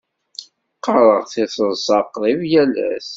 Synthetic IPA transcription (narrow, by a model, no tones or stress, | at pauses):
qːəɾˤəʁθisəðsɑqðˤivjælæ̰s